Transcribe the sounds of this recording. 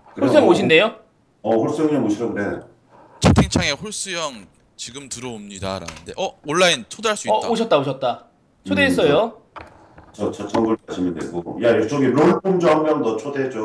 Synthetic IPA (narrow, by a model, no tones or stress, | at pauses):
kɯoɭs͈ujʌŋmoɕ̬ʰinde̞jo | ʌɸoɭs͈ujʌŋiʌmoɕʰiɾʌɡɯɾe | t͡ɕʰetʰeŋt͡ɕʰaŋe̞ɸoɭs͈ujʌŋ | t͡ɕiɡɯmtɯɾʌomɲidaɾa̰nɯnde̞ʔʌoɭːaint͡ɕʰodaɭs͈uiʌtoɕʰʌt̚t͈aoɕʰʌt̚t͈a | t͡ɕʰodeis͈ʌjjo | t͡ɕʌt͡ɕʰʌt͡ɕʰʌŋɡuɾkaɕʰimjʌndḛɡo̰jajt͡ɕʌɡimɾoɭpʰomd͡ʑʌɦaŋmjʌŋdʌt͡ɕʰoded͡ʑo